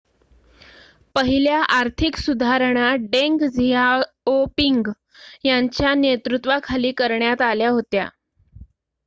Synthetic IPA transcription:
pəɦiljaʔaɾt̪ʰiksud̪ʱaɾəɳaɖeŋkd͡ziɦa | opiŋɡ | jaɲt͡ɕjanet̪ɾut̪ʋakʰaliːkəɾɳjat̪aljaɦot̪ja̰

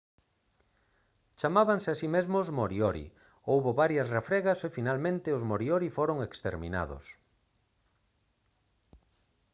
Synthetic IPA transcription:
t͡ʃamaβansɪasimezmozmoɾioɾḭ | owβoβaɾjɐsrefɾɛɣasefinalmẽnt̪ɪʊzmoɾioɾifoɾoŋekst̪ḛɾmḭna̰ðʊ̰s

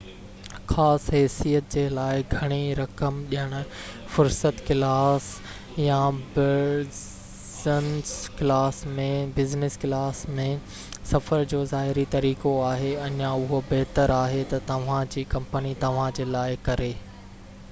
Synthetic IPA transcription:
xaːsɦɛːsijət̪̚d͡ʑeːlaːɪɡʱɐɽ̃iɾɐkəmɗijəɽ̃ʊ̆ | fʊɾsət̪kɪlaːs | jãbɪɾ | zənsklaːsmẽbɪznɪskɪlaːsmẽ | sɐfəɾd͡ʑoːzaːɦɪɾit̪ɐɾiːkoaːɦeɐɲãʊɦobɛɦt̪əɾaːɦet̪ɐt̪ɐʋ̤ãd͡ʑiːkɐ̃mpənit̪ɐʋ̤ãd͡ʑeːlaːɪkɐɾeː

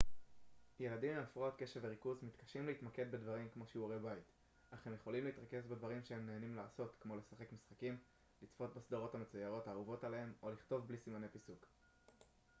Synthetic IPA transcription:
je̞ladimeafʁoot̪ke̞ʃeveʁikuzmit̪kḁʃimleitmake̞d̪̚be̞dvaʁimkmo̞ʃeuaʁebait | aχe̞mjeχo̞limleitʁake̞sbedvaʁimʃehe̞mneːnimlaːso̞tkmo̞le̞saχe̞kmisχakim | lit͡sfo̞tbasd̪aʁo̞thame̞t͡sujao̞thaːʁuvo̞talaɦe̞mo̞liχt̪o̞vblisimane̞pisuk

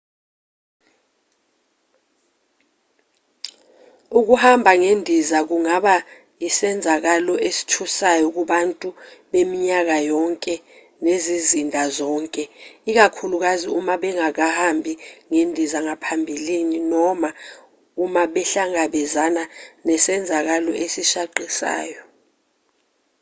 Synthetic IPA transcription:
uk̬uhambʱaŋendʱizak̬uŋaɓa | jisɛnd͡zʱak̬alɔesi̥tʰusajɔk̬uɓantʼuɓemiɲak̬ajɔŋkʼɛ | nezizindʱazɔːŋkʼɛik̬akʰuluk̬aziumaɓɛŋak̬ahambʱiŋendʱizaŋapʰambʱilininɔma | umaɓɛɬaŋaɓɛzananɛsɛnd͡zʱak̬alɔʔesiʃaǃʱisa̰ːjɔ

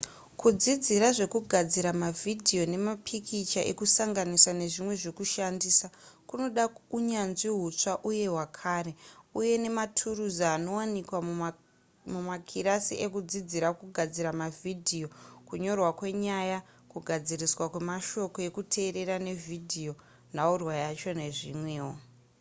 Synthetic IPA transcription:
kud͡zid͡ziɾaʐe̞kuɡʱad͡ziɾamavʱidʱijo̞ne̞mapʰikʰit͡ʃaʔe̞̰kusaŋɡaniswane̞ʐimwe̞ʐekuʃandiːsakuno̞ɗauɲanʐiɦut͡ʂaʔuje̞ɦwakʰaːɾe̞uje̞ne̞matʰuruzaːno̞wanikwa | mumakʰiɾasiʔe̞kud͡zid͡ziɾakuɡʱad͡ziɾamavidʱijo̞kuɲo̞rwakwe̞ɲaja | kuɡʱad͡ziriswakwemaʃo̞ko̞e̞kutʰe̞ːɾe̞ɾane̞vʱidʱijo̞ | naurwajat͡ʃo̞ne̞ʐḭːmwe̞ːwo

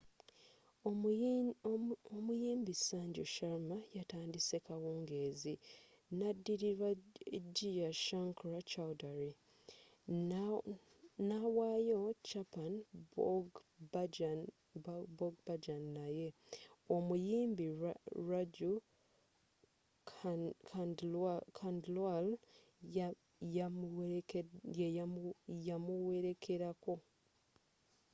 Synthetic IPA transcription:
omujiːmbisaːɲɟoʃaɾmajataːndise̞kawuːŋɡe̞ːzi | nadːiɾiɾaɟijaʃaŋkɾat͡ʃawdaɾi | nawaːjot͡ʃapanɡ | boɡbad͡ʒanːaje̞omujiːmbiɾaɟu | akʰandlwal | ja | j | jamuweɾe̞kʰe̞ɾako̞

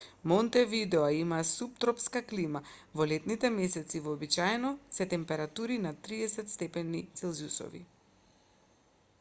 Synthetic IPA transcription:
mɔnt̪ɛvid̪ɛaimasup̚t̪ɾɔpskaklimavɔlɛt̪nit̪ɛmɛsɛt̪sivɔːbit͡ʃaɛnɔsɛt̪ɛmpɛɾat̪uɾinat̪ɾiɛsɛt̪st̪ɛpɛnit̪sɛlˠzjusɔ̰vḭ

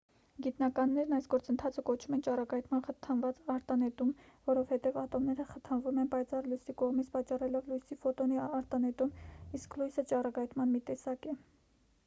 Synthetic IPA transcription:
ɡit̪nɑkɑnːɛɾnɑjsɡɔɾt͡sənt̪ʰɑt͡sʰəkɔt͡ʃʰumɛnt͡ʃɑrɑkɑjt̪mɑnχət̪ʰɑnvɑt͡sɑɾt̪ɑnɛt̪umvɔɾɔvhɛt̪ɛvɑt̪ɔmnɛɾəχət̪ʰɑnvumɛnpɑjt͡sɑrlujsikɔʁmit͡sʰpɑt͡ʃɑrɛlɔvlujsifɔt̪ɔniɑɾt̪ɑnɛt̪umisklujsət͡ʃɑrɑkɑjt̪mɑnmit̪ɛsɑkɛ

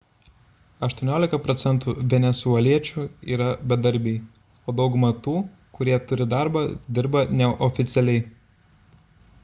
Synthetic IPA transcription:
ɐʃt̪uɔnʲoːlʲɪkɐpɾɔt̪sʲɛnt̪uːʋʲɛnʲɛsuɛlʲiɛt͡ʃʲuːḭːɾɐbʲɛd̪ɐɾʲbʲɛː | oːd̪ɒʊɡʊmɐt̪uː | kʊɾʲiɛt̪ʊɾʲɪd̪ɑˑɾbɑd̪ʲɪɾbɐnʲɛʔɔfʲɪt̪sʲɛlʲɛɪ

